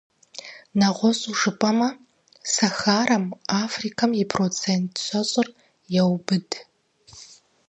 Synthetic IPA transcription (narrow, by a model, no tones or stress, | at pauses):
naʁʷɔɕʼuʐɨpʼɐmɐ | saxaːɾɐmafrikʰamipʰrot͡sʰentʰɕʷaɕʷʼɪr | jawbɨd